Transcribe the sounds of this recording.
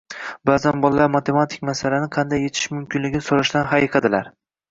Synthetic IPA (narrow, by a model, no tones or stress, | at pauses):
baːzanbɒlˠlaɾmat̪ʰe̞mat̪ʰɪ̥kʲmasalanɪqʰɑnd̪ajːe̞t̪ʰɪ̥ʃmʊmkʲɪnlɪɡʲɪnɪsoɾɪʃt̪anɦaiqʰɑd̪ɪlaɾ